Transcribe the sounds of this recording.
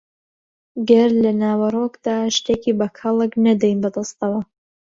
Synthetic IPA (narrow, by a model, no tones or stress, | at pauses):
ɡɐɾlɐnaːwɐrokd̪̥aːʃt̪eːkiːbɐkʰɐlˠɨknɐd̪ɛjnbɐd̪ɑst̪ɐwɐ